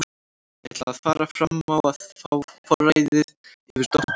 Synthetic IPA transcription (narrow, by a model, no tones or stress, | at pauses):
ɛ̰t̪laaðfaːɾafɾamawaðfawfɔrajðɪð | ɪvɪɾ̥t̪ɔh